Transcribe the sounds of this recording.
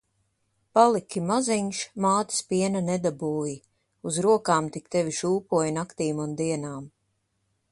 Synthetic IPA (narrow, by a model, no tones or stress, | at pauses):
palˠikʲimaziɲʃmaːt̪i̥spiɛnanɛd̪abuːji | uzɾuɔkaːmt̪ikt̪ɛvʲiʃuːpuɔjnakt̪iːmund̪iɛnaːm